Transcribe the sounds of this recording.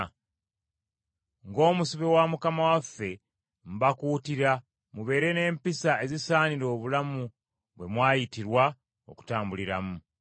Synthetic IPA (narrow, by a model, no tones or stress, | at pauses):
ŋɡo̞ːmusiβewamukamawafːe̞ | m̩bakuːtiɾa | muβe̞ːɾe̞ne̞ːmpisae̞zisaːniɾo̞ːβulamu | βwe̞mwaːjitiɾwa | o̞̰ku̥taːmbuliɾamu